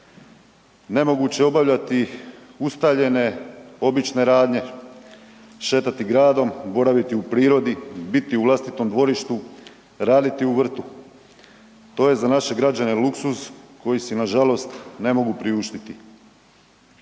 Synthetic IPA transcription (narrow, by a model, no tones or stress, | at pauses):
ne̞mo̞ɡut͡ɕe̞o̞baʋʎat̪iust̪aʋʎe̞ne̞o̞bit͡ʃne̞ɾaːd̪ɲe̞ | ʃe̞ːt̪at̪iɡɾaːd̪o̞mbo̞ɾaʋit̪iupɾiːɾo̞d̪ibit̪iuʋlˠast̪it̪o̞md̪ʋo̞ɾiʃt̪u | ɾaːd̪it̪iuʋr̩t̪u | t̪o̞ːje̞zanaʃe̞ɡɾad͡ʑaneluksusko̞jisinaʒalo̞st̪ne̞mo̞ɡupɾiuʃt̪it̪i